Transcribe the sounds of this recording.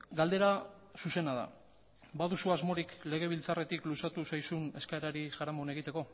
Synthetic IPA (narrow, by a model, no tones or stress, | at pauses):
ɡald̪e̞ɾa | suse̞naða̰ | baðusuazmo̞ɾikle̞ɣ̞e̞β̞ilt͡sare̞t̪iklusat̪usajsune̞skaeɾaɾiʝaɾamo̞ne̞ɣ̞it̪e̞ko̞